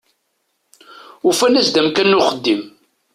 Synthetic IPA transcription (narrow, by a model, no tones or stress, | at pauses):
ufænæsd̪æmkænːʊχəd̪ːim